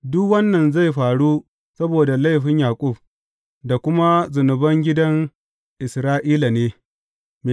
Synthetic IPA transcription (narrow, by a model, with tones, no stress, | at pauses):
dʊ˦kwɐ˦nːɐ˨nza˦˨jɸaː˨ɽu˦ | sɐ˦boː˨da˨la˦˨jɸɪ˦ɲjaː˨kʷʼʊ˦˨b | da˨kʷʊ˦ma˦zʊ˨nʊ˨bɐ˦ŋɡʲɪ˦dɐ˦ŋ | ʔɪ˨sɾaː˦ʔiː˦la˨neː˦ | me˨